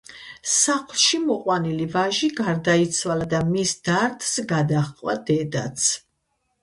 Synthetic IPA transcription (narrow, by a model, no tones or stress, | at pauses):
saχlˠʃimɔqʼwanilivaʒiɡaɾd̪ait̪sʰwalad̪amisd̪aɾt̪ʰsɡad̪aχqʼwad̪ɛd̪at̪sʰ